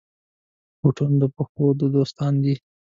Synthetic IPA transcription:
buʈund̪əpəxod̪əd̪ost̪ɑnd̪i

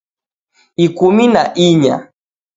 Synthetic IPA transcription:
ikuminaʔiɲa̰

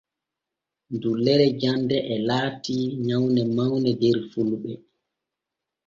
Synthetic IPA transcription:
ndulːɛɾɛd͡ʒandɛʔɛlaːtiɲawnɛmawnɛdɛɾfulɓɛ

